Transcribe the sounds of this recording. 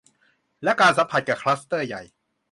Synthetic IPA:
lɛ˦˥ʔkaː˧nsa˨˦mpʰa˨˩t̪̚kɛː˨˩kʰlaː˦˥st̪ɤː˥˩ja˨˩j

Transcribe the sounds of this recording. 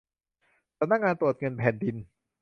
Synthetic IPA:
sa˨˧mna˥kŋaː˧nt̪ɾu˨˩ə˩t̪̚ŋɤ˧npʰɛː˨˩˦ndi˧n

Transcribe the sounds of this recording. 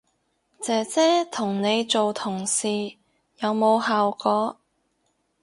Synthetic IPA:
t͡sɛː˨˧t͡sɛː˥t̪ʰʊ˨˩ŋne˨˧jt͡so˨wt̪ʰʊ˨˩ŋsiː˨ | jɐ˨˧wmo˨˧whaː˨wkɔː˨˧˥

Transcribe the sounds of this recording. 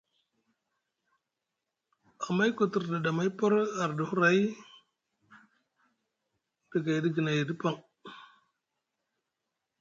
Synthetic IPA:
a˨ma˦jku˨tu˨ɾda˨da˨ma˦jpo˦ɾa˨ɾdu˨hu˦ɾa˦j | d̥ə˨ɡa˨jdi˦ɡi˨na˨jdi˦pa˦ŋ

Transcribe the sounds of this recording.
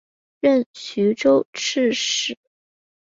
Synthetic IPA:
ɻə˥˩nɕy˧˥ʈ͡ʂo˥ʊʈ͡ʂ̩ʰ˥˩ʂɻ̩˨˩˦

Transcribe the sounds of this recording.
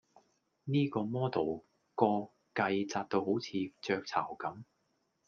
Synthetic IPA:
niː˥kɔː˧mɔː˥t̪o˨˩w | kɔː˧ | kɐ˧jt͡saː˧t̚t̪o˧who˨˥wt͡sʰiː˨˧t͡ʃœː˧k̚t͡sʰa̰ː˨˩wkɐ˨˥m

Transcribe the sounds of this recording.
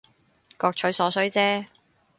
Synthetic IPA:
kɔː˧k̚t͡ʃʰɵ˨˥jsɔː˨˥sɵ˨˥ɥt͡sɛː˥

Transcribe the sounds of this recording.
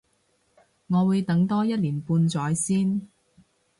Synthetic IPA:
ŋɔː˨˧wuː˨˧jt̪ɐ˨˥ŋt̪ɔː˥jɐ˥t̚liː˨˩npuː˧nt͡sɔː˨˥jsiː˥n

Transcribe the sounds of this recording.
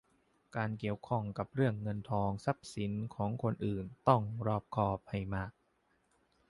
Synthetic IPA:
kaː˧nki˨˩əwkʰɔ˥˩ŋka˨˩p̚ɾɯ˥˩əŋːɤ˧nt̪ʰɔː˧ŋsa˦˥p̚si˩˦nkʰɔː˩˦ŋkʰo˧nʔɯː˨˩nt̪ɔ˥˩ŋɾɔː˧˩p̚kʰɔː˧˩p̚ha˥˩jmaː˥˩k̚

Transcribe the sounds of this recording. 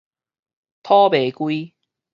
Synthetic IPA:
t̪ʰɔː˥pe˨˩jkui˥j

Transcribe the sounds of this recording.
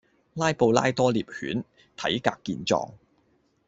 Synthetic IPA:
laː˥jpo˧wlaː˥jt̪ɔː˥liː˨˩p̚hyː˨˥n | t̪ʰɐ̰˨˥jkaː˧kːiː˧nt͡sɔ̰ː˧ŋ

